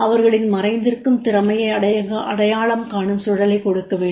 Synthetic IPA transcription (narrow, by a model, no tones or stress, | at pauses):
ɐʋɐɾɣɐɭɪnmɐrɐɪnd̪ɪrkɯmt̪ɪɾɐmɐjɐɪɐɽɐjɐɣɐʔɐɽɐjaːɭɐmkaːɳɯmsʊɻɐlɐɪkɔɽɯkːɐʋeːɳɖ